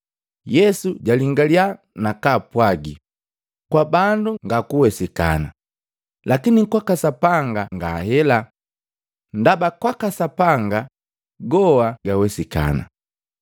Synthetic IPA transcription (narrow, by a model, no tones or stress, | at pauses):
jɛsuɟaliŋɡalja | nakaːpwaɡi | kwabanduŋɡakuwɛsika̰na̰ | lakinikwakasapaŋɡaŋɡahɛla | ndabakwakasapaŋɡa | ɡɔaɡawɛsika̰na̰